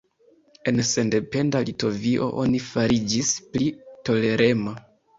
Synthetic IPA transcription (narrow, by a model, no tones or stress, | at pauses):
e̞nse̞nde̞pe̞ndalito̞viʔo̞̰ʔo̞nifaɾid͡ʒisplito̞le̞ɾe̞ma